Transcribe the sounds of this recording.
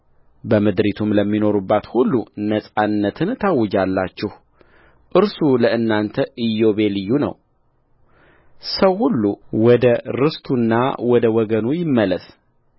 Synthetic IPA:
bəmɨd̪ɾit̪ʰumləmːino̞ɾubːat̪hulːunəsʼanːət̪ʰɨnt̪ʰawːʊd͡ʒalːat͡ʃːɪh | ʔɨɾsuləɨnːant̪ʰəʔɨjːo̞βe̞lɨjːunə̰w | səwhulːuwɔd̪əɾɨst̪ʰunːa̰wɔd̪əwɔɡənujɪmːələs

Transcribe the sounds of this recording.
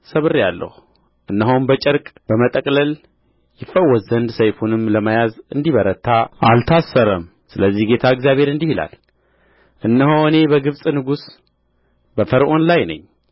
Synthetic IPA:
səβɨrijalːə̰hu | ʔɨnːəɦowmbət͡ʃʼɛɾkʼb̥əmət̪ʼəkʼləl | jɪfːəwɔzənd̪səjfunɨmləmajazɨnd̪iβəɾət̪ʰːaʔalt̪ʰasːəɾəm | sɨləzːihɡe̞t̪ʰaɨɡzjaβʱhe̞ɾɨnd̪ihila̰l | ʔɨnːəɦowɨne̞bəɡɨβsʼnɨɡus | bəfəɾʔo̞nlajnə̰ɲː

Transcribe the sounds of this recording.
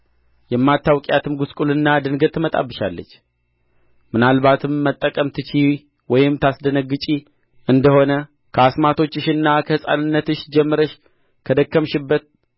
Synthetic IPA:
jɛmːat̪ːawkʼjat̪ʰɨmɡuskʼulɨnːad̪ɨnɡət̪ːɨmət̪ʼa̰bːɨʃa̰lːə̰t͡ʃː | mɨnalβat̪ʰɨmːət̪ʼːəkʼəmt̪ʰɨt͡ʃʰi | wɔjɪmt̪ʰasd̪ənəɡːɨt͡ʃʼi | ʔɨnd̪əho̞nə | kʰəasmat̪ʰo̞t͡ʃːɨʃɨnːakʰəhɨsʼa̰nɨnːət̪ɨʃd͡ʒɛmːəɾəʃ | kʰəd̪əkːəmʃɪbːət̪̚

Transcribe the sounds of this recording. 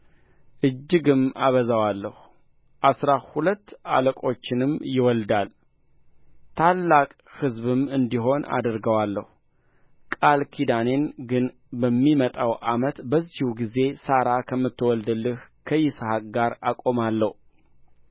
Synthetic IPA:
ʔɨd͡ʒːɪɡɨma̰βəzawalːəhu | ʔasɾahulət̪ːa̰ləkʼo̞t͡ʃːɪnɨmjɪwɔld̪al | t̪ʰalːakʼhɨzβɨmɨnd̪iɦo̞na̰d̪ɾɡəwalːəhu | kʼalkʰid̪ane̞nɡɨn | bəmːimət̪ʼawʔamət̪bəzːihuɡize̞saɾakʰəmːɨt̪ːwɔld̪ɨlːɨhkʰəjɪshakʼɡaɾakʼo̞malːəhu

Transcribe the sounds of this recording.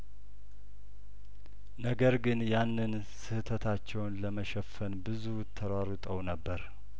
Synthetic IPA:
nəɡəɾɡɨnjanːɨn | sɨhɨt̪ʰət̪ʰat͡ʃːɛwnləməʃɛfːənbɨzut̪ʰːəɾaɾut̪ʼəwnəbːəɾ

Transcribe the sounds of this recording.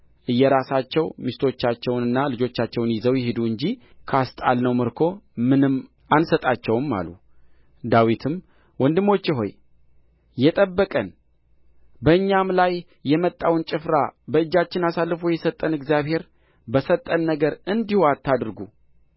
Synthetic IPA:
ʔɨjːɛɾasat͡ʃːɛwmist̪ʰo̞t͡ʃːat͡ʃːɛwnɨnːalɨd͡ʒo̞t͡ʃːat͡ʃːɛwnjɪzəwjɛɦed̪uɨɲd͡ʒikʰast̪ʼalnəwmɨɾkʰo̞mɨnɨm | ansət̪ʼat͡ʃːɛwmːa̰lu | d̪awit̪ʰɨm | wɔnd̪ɨmo̞t͡ʃːɪɦo̞̰j | jɛt̪ʼəbːəkʼən | bəɨɲːamlajː | ɛmət̪ʼːawnt͡ʃʼɪfɾabəɨd͡ʒːat͡ʃːɪnasalːfujɛsət̪ʼːənɨɡzjaβhe̞ɾ | bəsət̪ʼːənːəɡəɾɨnd̪ihoat̪ːad̪ɨɾɡu

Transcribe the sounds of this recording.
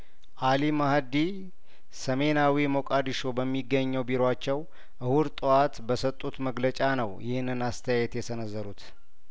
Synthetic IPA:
ʔalimahad̪i | səme̞nawimokʼad̪iʃo̞bəmːiɡːəɲːəwbiɾat͡ʃːɛw | ʔɨhuɾt̪ʼɨwat̪bəsət̪ʼːut̪məɡlət͡ʃʼanəwjʔɪhɨnːɨnast̪ʰəjajɛt̪jɛsənəzːəɾut̪

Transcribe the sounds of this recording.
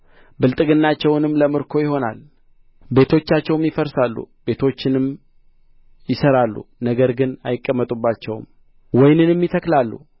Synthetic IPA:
bɨlt̪ʼɨɡɨnːat͡ʃːɛwnɨmləmɨɾkʰo̞jɪho̞na̰l | be̞t̪ʰo̞t͡ʃːat͡ʃːɛwmjɪfəɾsalːṵbe̞t̪ʰo̞t͡ʃːɪnɨm | jɪsəɾalːṵnəɡəɾɡɨna̰jɪkʼːəmːət̪ʼubːat͡ʃːɛwm | wɔjnɨnmːjɪt̪ʰəklalːṵ

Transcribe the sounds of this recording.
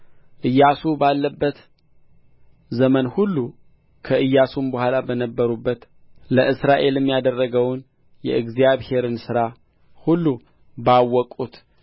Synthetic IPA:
ʔɨjːasubalːəbːət̪ | zəmənhulːu | kʰəʔɨjːasumbəhʷalabənəbːəɾubːət̪ | ləʔɨsɾaʔe̞lɨmːjad̪ərːəɡəwn | jɛ̰ʔɨɡzijaβhe̞ɾɨnsɨɾa | hulːu | bawːɔkʼut̪

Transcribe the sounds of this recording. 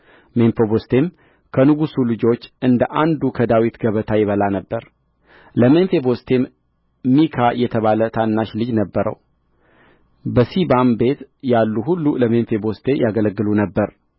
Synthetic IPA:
menfobost̪ʰe̞m | kʰənɨɡusulɨd͡ʒo̞t͡ʃːʔɨnd̪əʔand̪ukʰəd̪awit̪ɡəβət̪ʰajɪβəlanəbːəɾ | ləmenfe̞bo̞st̪ʰe̞m | mikʰajɛt̪ʰəβalət̪ʰanːaʃlɨd͡ʒnəbːəɾə̰w | bəsibambe̞t̪jalːuɦulːuləmenfe̞bo̞st̪ʰe̞jaɡələɡːɨlunəbːəɾ

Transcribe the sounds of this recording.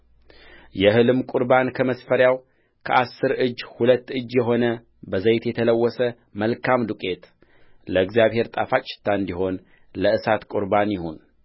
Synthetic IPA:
jɛhɨlɨmkʼuɾbankʰəməsfəɾjaw | kʰəʔasːɨɾɨd͡ʒːhulət̪ːɨd͡ʒːjɛɦo̞nə | bəzəjt̪jɛt̪ʰələwːɔsə | məlkʰamd̪ukʼe̞t̪ | ləɨɡzijaβhe̞ɾt̪ʼafat͡ʃʼːɪ̥t̪ʰːaɨnd̪iɦo̞n | ləɨsat̪kʼuɾbanjɪhun

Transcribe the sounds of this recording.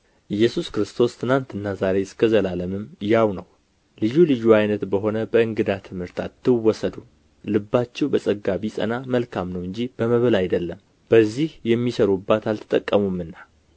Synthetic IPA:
ʔɨjːɛsuskɾɨst̪ʰo̞st̪ʰɨnant̪ɨnːazaɾe̞skʰəzəlaləmɨmjawnəw | lɨjːulɨjːuajnət̪bəɦo̞nəbəɨŋɡɨd̪at̪ʰɨmhɨɾt̪ʰat̪ːɨwːɔsəd̪u | lɨbːat͡ʃːɛwbəsʼəɡːaβisʼə̰naməlkʰamnəwɨɲd͡ʒib̥əməβəlajd̪əlːəm | b̥əzːihjɛmːisəɾubːat̪alt̪ʰɨ̥t̪ʼːəkʼːəmumːɨnːa

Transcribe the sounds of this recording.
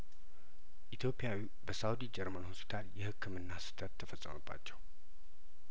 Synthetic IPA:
ʔit̪ʰjo̞pʼːijawi | bəsawd̪id͡ʒɛɾmanhospʰi̥t̪ʰaljɛhɨkːɨmɨnːasɨ̥t̪ʰʼət̪ʰːəfəsʼːəməbːa̰t͡ʃːɛw

